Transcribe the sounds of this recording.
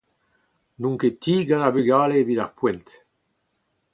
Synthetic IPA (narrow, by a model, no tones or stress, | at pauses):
nũŋket̪iɡanabyɡalebid̪aχpwɛnt̪